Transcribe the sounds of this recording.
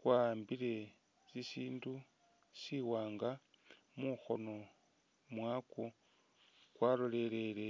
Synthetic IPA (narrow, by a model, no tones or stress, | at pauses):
kwambile̞ | sisiːndu | siwaːŋɡa | muxo̞̰no̞ | mwaːku | kwaːlole̞le̞le